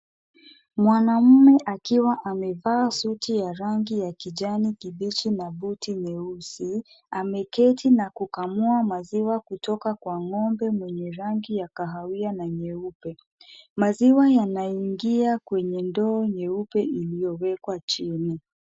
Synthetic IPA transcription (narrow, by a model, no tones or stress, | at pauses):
mwanam̩mɛʔakiwaʔamɛvaːsutʰijaɾaŋɡijakiʄanikiɓit͡ʃinaɓutiɲɛusi | amɛkɛtʰinakukamuamaziwakutɔkakwaŋɔmbɛmwɛɲɛɾaŋɡijakaɦawianaɲɛupɛ | maziwajanaiŋɡiakwɛɲɛndɔːɲɛupɛilijɔwɛkwat͡ʃini